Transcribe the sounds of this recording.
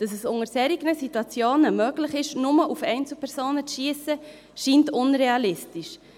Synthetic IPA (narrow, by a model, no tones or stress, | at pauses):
d̥ɑsɛsʊŋəɾsɛɾiɡnəsituɑt͡sjoːnəmœːɡlɪχɪʃnʊməʔufɛɪnt͡sl̩pʰɛɾsoːnət͡sʃiəsə | ʃiːntʊnɾeɑlɪstiʃ